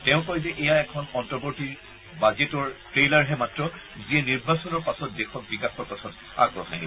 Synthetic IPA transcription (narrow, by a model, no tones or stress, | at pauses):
tɛʊ̃kɔjzɛʔɛjaɛkʰɔnɔntɔboɹtiɹ | bazetɔɹtɹelaɹɦɛmatɹɔ | ziɛniɹbasɔnɔɹpasɔt̚dexʰɔk̚bikaxɔɹpatʰɔt | a̰ɡ̚pɹɔ̰ɦa̰jnḭbɔ